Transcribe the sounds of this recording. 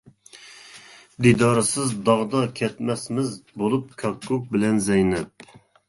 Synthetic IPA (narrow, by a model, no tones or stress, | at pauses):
d̪id̪ɑːɾɨsɨzd̪ɑʁd̪ɑkʲʰɛt̪mɛsmɪzbolˠup̚kʲʰɑkːuk̚bɪlɛnzɛjnɛp̚